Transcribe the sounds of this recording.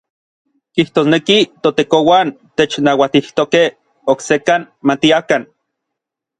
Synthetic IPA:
kiht̪oːsnekit̪ot̪ekowant̪et͡ʃnawat̪iht̪okeh | oksekan | mat̪iakan

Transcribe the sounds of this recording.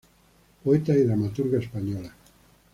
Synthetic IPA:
poet̪aiðɾamat̪uɾɣaespaɲola

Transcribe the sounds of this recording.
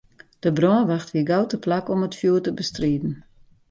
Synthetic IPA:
d̥əbrɔəʋaxtʋiəɡawtəplakɔmətfjuːtəbəstriːdn̩

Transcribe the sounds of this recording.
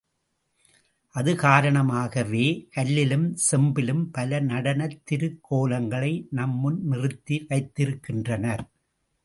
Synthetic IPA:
ʔɐðɯkaːɾɐɳɐmaːɣɐʋeːkɐlːɪlɯmsɛmbɪlɯmpɐlɐnɐɽɐnɐt̪ːɪɾɯkːoːlɐŋɡɐɭɐɪnɐmːʊnmɪrɯt̪ːiʋɐɪt̪ːɪɾɯkːɪndrɐnɐɾ

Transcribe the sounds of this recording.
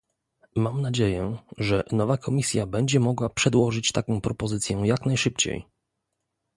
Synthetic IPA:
mamnad͡ʑejɛʐɛnɔvakʰɔmʲisʲjabɛɲd͡ʑɛmɔɡwapʂɛd̪wɔʐɘt͡ɕt̪akɔ̃w̃pɾɔpɔzɘt̪sʲjɛjaknajʂɘpt͡ɕḛj

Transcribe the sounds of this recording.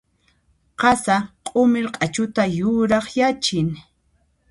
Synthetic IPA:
qɑsaqʼʊmɪɾqʼat͡ʃʊt̪ajʊɾɑχjat͡ʃɪŋ

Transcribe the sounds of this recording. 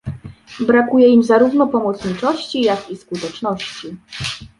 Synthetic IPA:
bɾakujɛimzaɾuvnɔpɔmɔt̪sɲit͡ʂɔɕt͡ɕijakiskut̪ɛt͡ʂnɔɕt͡ɕi

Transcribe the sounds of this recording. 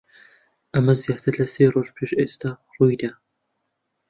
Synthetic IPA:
ʔɐmɐzijɑːt̪ʰɨɾlɐseːroːʒpʰeːʃʔeːst̪aruːjd̪ɐ

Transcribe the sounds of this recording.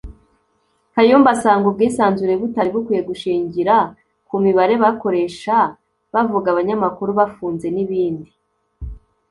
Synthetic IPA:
kajuːmbasaːŋɡob̚ɡiːsaːnzuɾeβutaɾibokijeɡuʃiːɲɟiɾa | kumiβaɾe̞βako̞ɾe̞ʃa | βavuɡaβaɲamakuɾuβafuːnze̞niβiːndi

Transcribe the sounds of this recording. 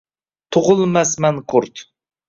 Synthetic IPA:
t̪ʰoʁʊlˠmɛsmɛnqʰʊɾt̪

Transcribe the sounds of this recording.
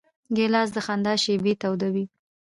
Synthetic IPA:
ɡelɑs̬d̪əxand̪ɑʃebet̪awd̪awi

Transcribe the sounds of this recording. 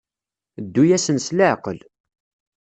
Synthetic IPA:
d̪ːujæsənsləʕqəl

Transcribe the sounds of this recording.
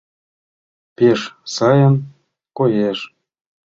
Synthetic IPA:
peʃsɑjɤ̆n | kojeʃ

